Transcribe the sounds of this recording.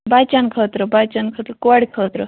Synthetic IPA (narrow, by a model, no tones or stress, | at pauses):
bat͡ɕankʰət̪ɾəbat͡ɕankʰət̪ɾəkoaɽkʰət̪ɾə